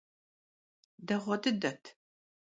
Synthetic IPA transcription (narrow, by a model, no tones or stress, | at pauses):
dɐʁʷɔdɨdɐtʰ